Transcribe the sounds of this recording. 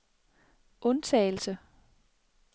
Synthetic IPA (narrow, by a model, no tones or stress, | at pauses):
ʔɔ̽nt͡sʰɛ̰ːɪl̩sə